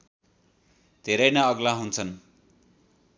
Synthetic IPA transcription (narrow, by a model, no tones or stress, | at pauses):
d̪ʱeɾʌjnʌʌɡlaɦunt͡sʰʌn